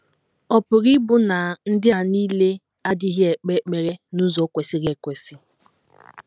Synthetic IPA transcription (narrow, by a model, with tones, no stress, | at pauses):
ɔ˨pʊ˨ɾi˦bʊ˦na˨n̩˦dɪ˦a˨ni˦le˦ | a˦dɪ˦ɦje˨k͡pe˦k͡pe˨ɾe˦nu˦zɔ˨˦kʷe˨si˦ɣe˨kʷe˨si˦